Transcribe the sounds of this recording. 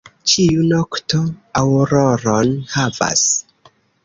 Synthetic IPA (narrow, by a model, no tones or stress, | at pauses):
t͡ʃiunokto̞awɾoɾonhava̰s